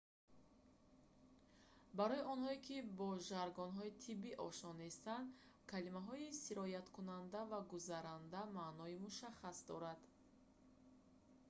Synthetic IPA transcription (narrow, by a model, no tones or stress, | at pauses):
baɾɔiɔnhɔikʰibɔʒaɾɡɔnɦɔit̪ʰibiʔɔʃɔnːest̪and̪ | kʰalimaɦɔisiɾɔjat̪kʰunand̪avaɡuzaɾand̪amaːnɔimuʃaχasd̪ɔɾad̪̥